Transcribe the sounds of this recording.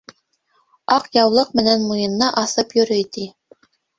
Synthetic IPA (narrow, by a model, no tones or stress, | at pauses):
ɑqjɑwlˠɤqmɘ̆nænmujɤ̆nːɑʔɑθɤpjɵ̆ɾɵjt̪i